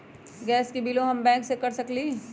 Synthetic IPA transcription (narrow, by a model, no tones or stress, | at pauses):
ɡɛːskibiloɦɐmbɛ̃ːŋksekɐɾsɐkli